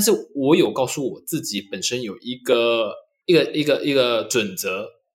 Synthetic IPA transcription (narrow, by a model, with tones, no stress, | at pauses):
t̪nʂ̬ɻ̩˥˩wɔ˧˦˥jo˨˩ʊkɑ˥˧ʊsu˥˩wɔ˨˩t͡sɹ̩˥˩t͡ɕi˨˥˦pə˨˩nʂə˦˥njo˨˩ʊʔi˧˥ɡə˨ | i˧˥ɡə˨˩ʔi˧˥ɡə˨ʔi˧˥ɡə˨ʈ͡ʂwə˨˩nt͡sɤ˧˥